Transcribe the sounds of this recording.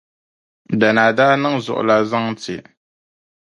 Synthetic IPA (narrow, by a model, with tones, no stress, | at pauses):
da˨na˨daː˦nɨ˦ŋzʊ̰˨ʔʊ̰˨la˨za˦ŋ˦tɪ˨